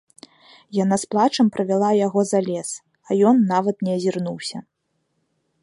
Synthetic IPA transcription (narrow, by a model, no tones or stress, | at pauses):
janasplˠat͡ʂɐmpɾɐvʲɛlˠajaɣɔzalʲɛs | ajɔnːavɐt̪nʲɛɐzʲirnuwsʲɐ